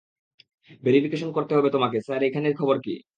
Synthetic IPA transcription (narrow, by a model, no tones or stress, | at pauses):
beɾipʰikeʃonkoɾt̪eɦɔbet̪omakesaɾekʰaneɾkʰɔboɾkḭ